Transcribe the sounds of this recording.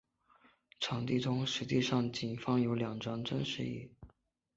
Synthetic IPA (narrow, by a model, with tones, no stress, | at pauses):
ʈ͡ʂʰɑ˨˩˥ŋt̪i˥˩ʈ͡ʂʊ˥ŋʂɻ̩˧˥t͡ɕi˥˧ʂɑ˥˩ŋt͡ɕi˨˩nfɑ˥ŋjo˧˥ʊljɑ˨˩ŋʈ͡ʂɑ˥ŋʈ͡ʂə˥ŋʂɻ̩˥˧ḭ˥˩